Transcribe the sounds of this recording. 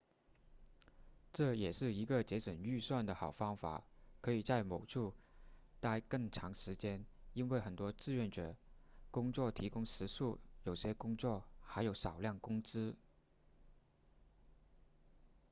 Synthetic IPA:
ʈ͡ʂɤ˥˩jɛ˨˩ʂɻ̩˥˩i˧˥ɡə˧t͡ɕjɛ˧˥ʂə˨˩ny˥˧swa˥˩nd̪ə˩xɑ˨˩ʊfɑ˥ŋfa̰˨˩˦kʰɤ˧˥i˨˩t͡sa˥˩ɪmo˨˩ʊʈ͡ʂʰu˥˩˧t̪a˥ɪkɤ˥˩ŋʈ͡ʂʰɑ˧˥ŋʂɻ̩˧˥t͡ɕjɛ˥ni˥nwe˥˩ɪxə˨˩nt̪wɔ˥t͡sɹ̩˥˧ɥɛ˥˩nʈ͡ʂɤ˨˩kʊ˥ŋt͡swɔ˥˩t̪ʰi˧˥kʊ˥ŋʂɻ̩˧˥ʂu˥˩jo˨˩ʊɕjɛ˥kʊ˥ŋt͡swɔ˥˩xa˧˥ɪjo˧˥ʊʂɑ˨˩ʊljɑ˥˩ŋkʊ˥ŋt͡sɹ̩˥

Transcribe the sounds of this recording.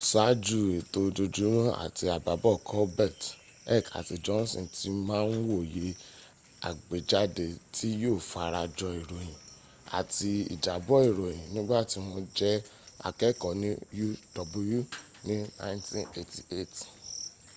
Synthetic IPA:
sa˨˦d͡ʒu˦˨e˨to˧d͡ʒo˧d͡ʒu˨˦ɾũ˦a̰˨ti˧a˨ba˨bɔ˦˨kʰɔ˦bɛ˦˨t | ɛ̰˦˨ka̰˨ti˨˧d͡ʒɔ˦n˦sɔ̰̃˨tʰi˦mãː˦n̩˦wo˦˨je˨˦ | a̰˨ɡ͡be˨d͡ʒa˨˦de˨tʰi˦joː˦˨fa˨˧ɾa˧d͡ʒɔ˧i˨ɾo˨jĩ˨ | a̰˨ti˧ḭ˨d͡ʒa˨bɔ˦i˨ɾo˨j̃ĩ˨nĩ˦ɡ͡ba˦˨ti˧w̃ɔ̃˧d͡ʒɛ˦a̰˨kɛ˦˨kɔ˨nĩ˦ju˦d̥ɔ˨bu˦ju˦ | nĩ˦nã˦ntḭ̃˦ne˨ti˨e˦t

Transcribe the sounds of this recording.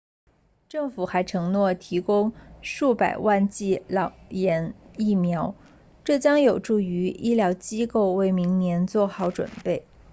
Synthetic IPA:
ʈ͡ʂɤ˥˩ŋfu˨˩xa˧˥ɪʈ͡ʂʰɤ˧˥ŋnwɔ˥˩t̪ʰi˧˥kʊ˥ŋʂu˥˩pa˨˩ɪwa˥˧nt͡ɕi˥˩lɑ˨˩ʊjɛ˧˥ni˥˩mjɑ˧˥ʊ | ʈ͡ʂɤ˥˩t͡ɕjɑ˥ŋjo˨˩ʊʈ͡ʂu˥˩y˧˥i˥ljɑ˧˥ʊt͡ɕi˥ko˥˩ʊwe˧˥ɪmi˧˥ŋnjɛ˧˥nt͡swɔ˥˧xɑ˧˥˩ʊʈ͡ʂwə̰˨˩npe˥˩ɪ

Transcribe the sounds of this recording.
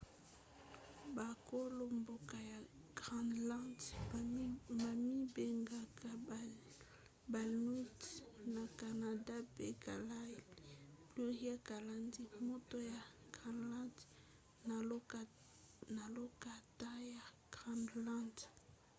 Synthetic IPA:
ba˨ko˦lo˨mbo˨ka˨ja˨ | ɡ̥ʁa˨ndla˦d | ma˨mi˦be˨ŋɡa˨ka˨ | ba˨lu˦tna˨ka˨na˨da˦pe˦ka˨la˦˨li˨plu˦ja˦ka˨la˨ndi˦mo˦to˦ja˨ɡ̥a˨la˦d | na˨lo˦ka˨ta˦ja˨ɡ̥ʁa˨nla˦nd

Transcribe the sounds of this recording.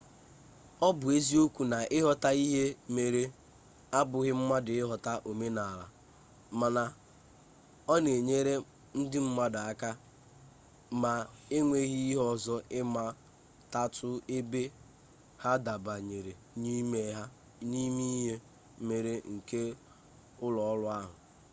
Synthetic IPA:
ɔ˦bʊ˨e˦zi˦o˦kʷu˨na˨ʔɪ˦ɦɔ˦ta˦i˦ɦe˦me˨ɾe˦ | a˦bʊ˨ɣɪ˦m̩˦ma˦dɪ˨ɪ˦ɦɔ˨ta˦ʔo˨me˦na˨la̰˨ | ma˨na˨ | ɔ˦ne˨ɲe˦ɾe˦ | n̩˦dɪ˦m̩˦ma˦da˨a˦ka˦ | ma˨e˦ŋʷe˦ɣi˦i˦ɦɔ˦zɔ˦ɪ˦ma˦ | ta˦tʰʊ˦ɪ˦be˦ | ha˦da˨ba˨ɲe˨ɾe˨ | ni˦me˨ɦa˦ | ni˦mi˦ɦe˦ | me˨ɾe˦ŋ̩˨ke˦ | ʊ˦lɔ˨ɔ˦lʊ˦a˦ɦʊ˨

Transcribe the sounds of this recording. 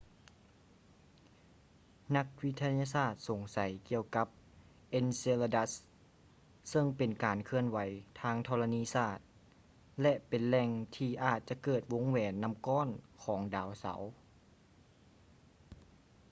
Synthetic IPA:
na˧˥k̚wi˧˥t̪ʰːa˧jaː˧saː˧˥˩t̪̚so˨˩ŋsa˨˦jki˧əwka˧˥p̚ | ʔe˧˥nse˧la˧da˧˥s | sɤ˧˩ŋpe˨nkaː˨nkʰɯ˧˨ənwa˨˦jt̪ʰaː˧˥ŋt̪ʰɔː˧la˧niː˧˥˨saː˧˩t̪̚ | lɛ˧ʔpe˨˩nlɛ˧˩ŋt̪ʰiː˧ʔaː˨˩t̪̚t͡ɕa˧˨kɤː˧˩t̪̚wo˨˦˥ŋwɛː˨˩nːa˧˥mkɔː˧˥˨nkʰɔː˩˦ŋdaː˨˦wsa̰˨˩˦w

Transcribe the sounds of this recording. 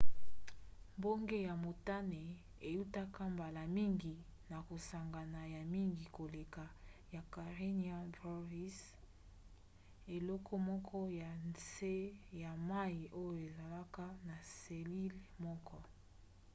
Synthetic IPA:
mbo˦ŋɡe˦ja˨mo˨ta˦ne˨ | e˨ju˦ta˦ka˦mba˨la˨mi˦ŋɡi˨na˨ko˨sa˨ŋɡa˨na˨ja˨mi˦ŋɡi˨ko˨le˨ka˨ja˨ka˨ʁe˦ni˦a˦bʁo˦vi˦s | e˨lɔ˦kʰɔ˦mɔ˦kʰɔ˦ja˨nse˦ja˨ma˦i˨ʔo˦jo˨e˨za˨la˦ka˦na˨se˨li˦lmɔ˦kʰɔ˦

